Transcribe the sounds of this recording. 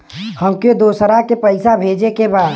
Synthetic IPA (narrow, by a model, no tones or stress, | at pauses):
həmked̪oːsɾakepəɪsabʱeːd͡ʒekebaːd̪